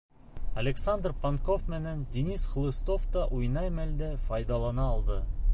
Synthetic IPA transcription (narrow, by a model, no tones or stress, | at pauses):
ɐlʲeksand̪rpɐŋkofmɘ̆nænd̪ʲinisχ̆lˠɤ̆st̪oft̪ɑʔujnɑjmæld̪æfɐjd̪ɑlˠɑnɑːlˠd̪ɤ